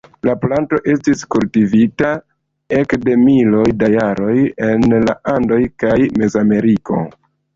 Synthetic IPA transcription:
laplanto̞ʔe̞stiskultivita | e̞kde̞milo̞jdajaɾo̞je̞nla̰ʔando̞jkajme̞zame̞ɾiko̞̰

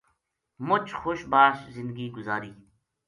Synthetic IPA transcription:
mʊt͡ʃʰxoːʃbaːszɪ̃nd̪̚ɡiːɡʊzaːɾiː

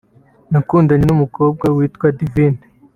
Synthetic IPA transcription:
nakuːndaɲinumuko̞ːb̚ɡawiːtkwadiviːne

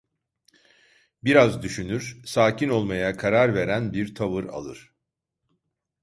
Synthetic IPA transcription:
biɾazd̪yʃynyɾ̥saːcino̞lˠmajakʰaɾaɾve̞ɾænbiɾt̪ʰavɯɾa̰lˠɯ̰ɾ̥

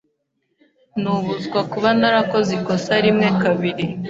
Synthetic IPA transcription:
nuβuzɡwakuβanaɾako̞ziko̞saɾimŋe̞kaβiɾi

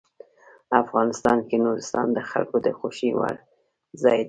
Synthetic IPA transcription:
afɣɑnɪst̪ɑnkenoɾɪst̪ɑnd̪əxa̰lkod̪əxoʃiwa̰ɽ | zɑjd̪

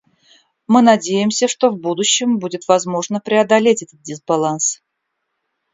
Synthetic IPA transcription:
mɨnɐdʲejɪmsʲəʂt̪o̞vbud̪ʊɕːɪmbudʲɪt̪vɐzmo̞ʐnəpɾʲɪɐd̪ɐlʲetʲɛt̪ət̪̚dʲɪzbɐlˠans

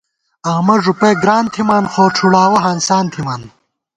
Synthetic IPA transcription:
ɐɣmɐʐupɐjɡɾaːnt̪ʰimaːnxoːʈ͡ʂʰuɽaːwɐɦansaːnt̪ʰimaːn

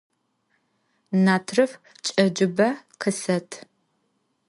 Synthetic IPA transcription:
naːtʰrɨf | t͡ʃʼɐd͡ʒɪbɐqʰəsɐtʰ

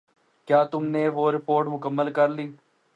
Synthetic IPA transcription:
kjaːt̪ʊmnẽːʋoːɾɪpoːɾʈmʊkəmːəlkəɾliː

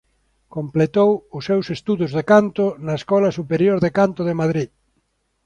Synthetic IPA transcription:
komplet̪owʊsːewsest̪uðʊzðekant̪ʊnɐeskɔlɐsupeɾjoɾðekant̪ʊðemaðɾi

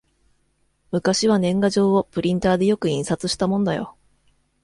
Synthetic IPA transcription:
mɯ̟kaɕiβanẽ̞ŋɡaʑo̞ːopɯ̟ɾʲĩnt̪aːd̪e̞jo̞kɯ̟ĩɰ̃sat͡sɨɕi̥t̪amõ̞nd̪ajo̞̰

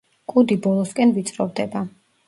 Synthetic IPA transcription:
kʼud̪ibɔlˠɔskʼɛnvit̪sʼɾɔvd̪ɛba

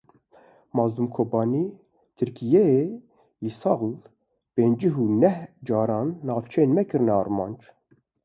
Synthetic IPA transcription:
mɑːzd̪umkʰoːbɑːni | t̪ʰɨɾkijɛe | jisɑːɣl | peːnd͡ʒiɦunɛhd͡ʒɑːɾɑːnːɑːft͡ʃʰɛenmɛkɨɾnɛɑːɾmɑːnd͡ʒ

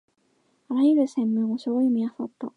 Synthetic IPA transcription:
aɾajɯɾɯ̟sẽ̞mːɯ̟̃ŋoɕooimiasat̪ːa

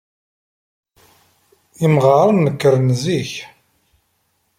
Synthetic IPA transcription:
imʁəɾˤənːəkːəɾənziç

